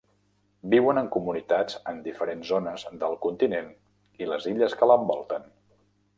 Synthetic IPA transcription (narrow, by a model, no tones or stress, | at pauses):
biwənəŋkumunit̪ad͡zənd̪ifəɾenzonəzðəlˠkunt̪inen | iləziʎəskələmbɔlˠt̪ən